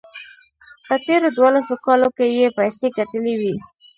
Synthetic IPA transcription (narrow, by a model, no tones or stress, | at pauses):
pət̪eɾod̪wolasokɑlokejepəjsekat̪əlewi